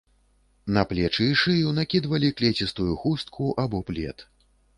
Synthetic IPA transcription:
nɐplʲɛt͡ʂɨiʂɨjunakʲid̪vɐlʲiklʲɛt͡sʲist̪ujuxust̪̚kʰuʔabɔplʲɛ̰t̪

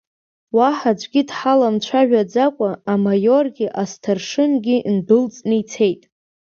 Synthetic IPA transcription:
waħad͡ʒʷʼɡʲidħalamt͡ʃʷʰaʒᶣad͡zakʷʼaamajo̞rɡʲiʔastʰarʂɨnɡʲɪʔndɨlt͡sʼnɨit͡sʰe̞jtʼ

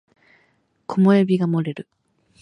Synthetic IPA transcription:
kʰomojobʲiɡamo̞ɾe̞ɾɯ̟

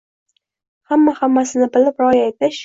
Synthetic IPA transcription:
hamːahamːasɪnɪbɪlɪpɾɒjajt̪ɪʃ

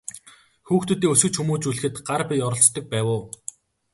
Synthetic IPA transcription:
xuːxt̪ɵ̆t̪iːŋɵsɡɵ̆t͡ɕxumuːt͡ɕuɮɘ̆xɘ̆t̪ɢarpʲijɔɾɞ̆ɬt͡st̪ɞ̆k̚pæːwʊː

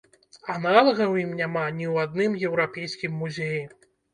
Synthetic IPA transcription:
analˠɐɣɐwjimnʲamanʲiwad̪nɨmjɛwɾapʲejskʲimːuzʲeji

